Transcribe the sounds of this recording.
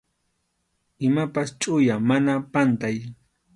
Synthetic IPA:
ɪmapast͡ʃʼʊjamanapant̪aj

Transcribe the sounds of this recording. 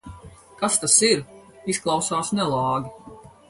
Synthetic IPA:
kast̪asiɾisklˠɑwsaːsnɛlˠɑːɡʲi

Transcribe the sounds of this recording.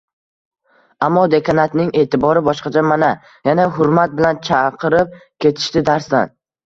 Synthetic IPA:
amːɒd̪e̞kʰanat̪nɪŋe̞ːt̪ʰɪbɒɾɪbɒʃqɑt͡ʃʰamana | janaɦʊɾmat̪̚bɪlant͡ʃʰɑqʰɨɾɪp̚kʲʰe̞t̪ʰɪ̥ʃt̪ɪd̪aɾsd̪an

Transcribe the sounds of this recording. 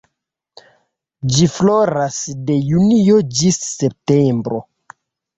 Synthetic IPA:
d͡ʒifloɾasdejuniod͡ʒisːep̚tembɾo

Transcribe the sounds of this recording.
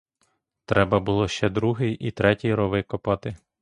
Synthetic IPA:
t̪ɾɛbɐbʊlˠɔʃt͡ʃɛd̪ɾuɦɪjʔit̪ɾɛtʲijɾɔʋɪkɔpɐt̪ɪ

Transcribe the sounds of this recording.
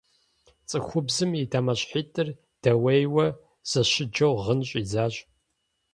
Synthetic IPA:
t͡sʼɨxʷʊbzɨmidʰamɐɕʼħiːtʼɨr | d̥ɐwejwɐ | z̥ɐɕɪd͡ʒɐwʁənɕʼizaːɕʼ

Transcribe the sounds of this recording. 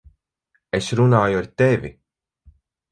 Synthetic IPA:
esɾunaːjuaɾt̪evḭ

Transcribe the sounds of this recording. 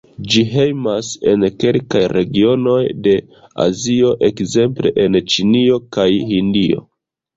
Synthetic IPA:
d͡ʒiɦe̞jmase̞nke̞lkajɾe̞ɡio̞no̞jde̞ | a̰zio̞ʔe̞kze̞mple̞̰ʔe̞nt͡ʃinio̞kajhindio̞̰

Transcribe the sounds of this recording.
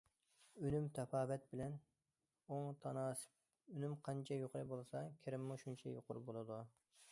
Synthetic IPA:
ynymt̪ʰɛpɑːvɛt̪̚bɪlɛn | oŋt̪ʰɑnɑːsɪ̥p | ønymqʰɑnt͡ʃʰɛjoqʊɾɨbolˠsɑkʲʰɪɾɪmːuʃunt͡ʃʰɛ̰jo̰qʰʊɾbolˠɨd̪u

